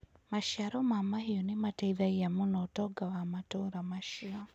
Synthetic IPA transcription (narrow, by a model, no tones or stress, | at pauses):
maʃiaɾɔmamahijɔnimatɛiðaijamunɔtɔɡawamatɔɾamaʃia